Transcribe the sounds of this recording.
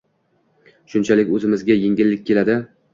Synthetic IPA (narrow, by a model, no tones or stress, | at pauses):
ʃʊnt͡ʃʰalɪkʲɵzɪmɪzɡʲajeŋɡʲɪlːɪk̚ʲkʰʲːe̞lad̪ɪ